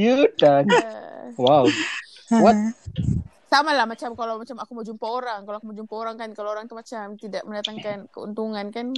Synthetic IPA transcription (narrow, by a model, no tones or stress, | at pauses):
jəda | waw | wat̪ | samalahmat͡ʃamkalawmat͡ʃamakuməd͡ʒumpaoɾaŋkaloakumad͡ʒumpaoɾaŋkankalaoɾaŋt̪umat͡ʃamt̪idaʔməndat̪aŋkankəṵnt̪uŋankan